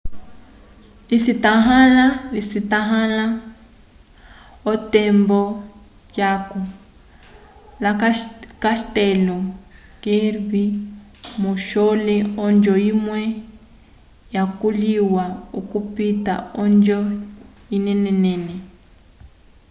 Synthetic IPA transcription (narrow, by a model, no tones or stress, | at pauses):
lisitaɦalalisitaɦãla | otɛmbɔ | caku | lakaʃtɛlɔkeɾβimuʃɔlɛɔnd͡ʒɔimwɛ | jakuliwaukupita̰ɔnd͡ʒɔ | inɛnɛnɛnɛ